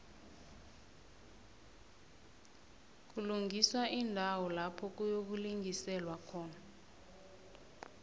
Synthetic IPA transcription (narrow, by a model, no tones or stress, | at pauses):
k̬uluŋɡʱiswaindʱawɔlapʰɔk̬ujok̬uliŋʱisɛlwakʰɔːna